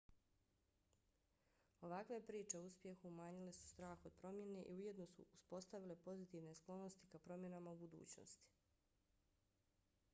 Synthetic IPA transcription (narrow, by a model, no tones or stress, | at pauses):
o̞ʋakʋepɾiːt͡ʃe̞ouspje̞xumaːɲile̞su̥st̪ɾaːxo̞d̪̥̚pɾo̞mje̞ne̞ʔḭuje̞d̪nosṵʔuspo̞st̪aʋile̞po̞zit̪iːʋne̞sklˠo̞no̞st̪i̥kapɾo̞mje̞namaubud̪ṵːt͡ɕno̰st̪i̥